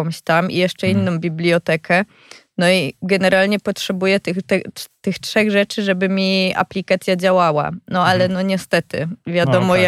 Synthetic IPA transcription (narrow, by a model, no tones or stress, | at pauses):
ɔw̃ɕt̪amḭjɛʂt͡ʂɛinːɔ̃w̃bʲiblʲiɔt̪ɛkʰɛ | nɔiɡɛnɛɾalɲɛpɔtʂɛbujɛt̪ɘt̪ɛt̪ɘxtʂɛɣʐɛt͡ʂɘʐɛbɘmʲia̰plʲikat̪sʲjad͡ʑawawa̰nɔalɛnɔɲɛst̪ɛt̪ɘ̰vʲjad̪ɔmɔja